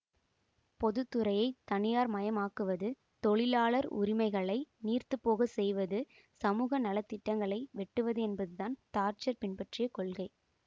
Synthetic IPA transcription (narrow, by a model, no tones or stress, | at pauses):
pɔðɯt̪ːɯɾɐjɐɪt̪ɐnɪjaːɾmɐjɐmaːkɯʋɐðɯ | t̪ɔɭɪlaːɭɐɾʊ̰ɾɪmɐɪɣɐɭɐɪniːrt̪ɯpːoːɣɐsɛjʋɐðɯ | sɐmuːɣɐnɐlɐt̪ːɪʈːɐŋɡɐɭɐɪʋɛʈːɯʋɐðɯɛnbɐðɯðaːnt̪aːɾt͡ʃɐɾpɪnpɐʈrɪjɐkɔɭɣɐɪ